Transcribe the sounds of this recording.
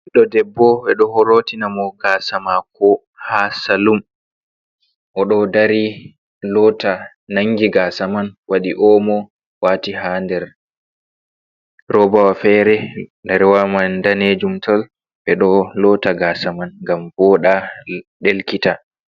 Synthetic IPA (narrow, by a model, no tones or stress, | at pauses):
iɗɔdɛbːɔɓɛɗɔhɔɾotinamɔɡasamakɔ | hasalum | ʔɔɗɔdaɾi | lɔːta | naŋɡiɡaːsamanwaɗiʔɔːmɔ | waːtiɦandɛɾ | ɾɔbawafɛɾɛndɛɾwamandaned͡ʒumtʰɔl | ɓɛɗɔlɔːtaɡaːsamanŋɡambɔːɗaɗelkita